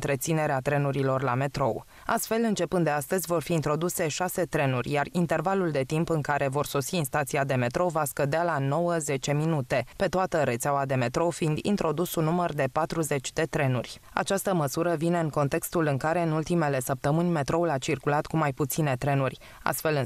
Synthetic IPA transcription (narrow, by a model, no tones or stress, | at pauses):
t̪ɾe̞t̪sine̞ɾeat̪ɾe̞nuɾilo̞rlame̞t̪ɾo̞w | a̰st̪fe̞lɨnt͡ʃe̞pɨnd̪d̪east̪əzʲvo̞rfiːnt̪ɾo̞d̪use̞ʃase̞t̪ɾe̞nurʲjarint̪e̞rvaluld̪e̞t̪impɨŋkaɾʔe̞vo̞rso̞siːnst̪at̪siad̪e̞me̞t̪ɾo̞vaskəd̪ealano̞wəze̞t͡ʃe̞minut̪e̞pe̞t̪oat̪əɾe̞t̪seawad̪e̞me̞t̪ɾo̞find̪ḭnt̪ɾo̞d̪usunːumərd̪e̞pat̪ɾuze̞t͡ʃʲd̪e̞t̪ɾe̞nurʲ | a̰t͡ʃast̪əməsuɾəvine̞ɨŋko̞nt̪e̞kst̪ulɨŋkaɾe̞ɨnult̪ime̞le̞səp̚t̪əmɨnʲme̞t̪ɾo̞ulat͡ʃirkulat̪kumajput̪sine̞t̪ɾe̞nurʲ | a̰st̪fe̞lɨ